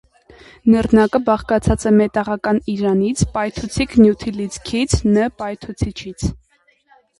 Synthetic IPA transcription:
nəɾnɑkəbɑχkɑt͡sʰɑt͡sɛmɛt̪ɑʁɑkɑniɾɑnit͡sʰpɑjt̪ʰut͡sʰikʰnjut̪ʰilit͡skʰit͡sʰnəpɑjt̪ʰut͡sʰit͡ʃʰit͡sʰ

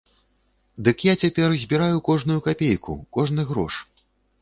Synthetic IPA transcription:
d̪ɨkjat͡sʲapʲɛrzʲbʲiɾajukɔʐnujukapʲejkṵkɔʐnɨɣɾɔ̰ʂ

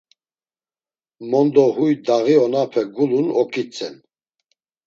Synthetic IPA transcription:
mɔnd̪ɔɦujd̪aʁiɔnapʰɛɡulunɔkʼit͡sʼɛn

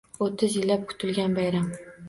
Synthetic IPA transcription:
ot̪ʰɪzjɪlːap̚kʰʊ̥t̪ʰɪlɡʲanbajɾam

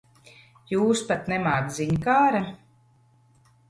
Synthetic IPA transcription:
juːspat̪nɛmaːd̪ziɲkaːɾa

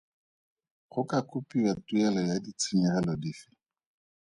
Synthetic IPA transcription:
χʊkakʊpiwatuɛlɔjadit͡sʰɪmɛχɛlɔdiːfɪ̥

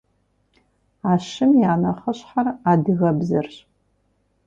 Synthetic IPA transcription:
aːʃɨmjaːnɐχəɕħaradɨɣɐbzɨrɕ

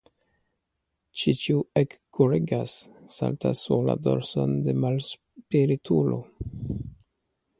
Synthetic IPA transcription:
t͡ʃit͡ʃiuekːʰuɾiɡasːa̰lt̪ʰasula̰d̪o̰ɾsond̪emals | piɾit̪ʰulo

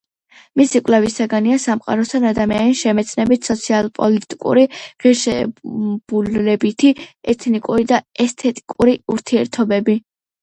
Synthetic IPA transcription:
misikʼlɛvisaɡaniasamqʼa̰ɾɔst̪ʰanad̪amianiʃɛmɛt̪sʰnɛbit̪ʰsɔt̪sʰialˠpʼɔlit̪ʼikʼṵɾiʁiɾʃɛ̰b̥ullɛbit̪ʰiɛt̪ʰnikʼuɾid̪aɛst̪ʰɛt̪ʼikʼuɾiuɾt̪ʰiɛɾt̪ʰɔbɛbi

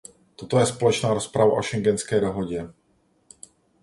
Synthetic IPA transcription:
t̪ot̪ojɛspolɛt͡ʃnaːɾospɾava̰ʔoʃɛŋɡɛnskɛːdoɦoɟɛ

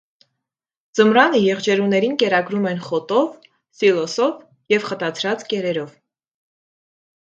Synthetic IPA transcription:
d͡zəmɾɑnəjɛʁd͡ʒɛɾunɛɾinkɛɾɑɡɾumɛn̪χɔt̪ɔv | silɔsɔv | jɛvχət̪ɑt͡sʰɾɑt͡skɛɾɛɾɔv

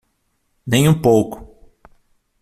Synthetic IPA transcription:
nẽj̃ũpowkʊ̥

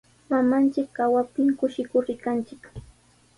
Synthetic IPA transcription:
mamant͡ʃɪkːawapɪŋkʊʃɪkʊɾɪkant͡ʃɪk

